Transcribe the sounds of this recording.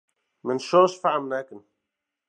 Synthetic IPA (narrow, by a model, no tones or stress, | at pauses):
mɪnʃoʃfaʕamnakɪn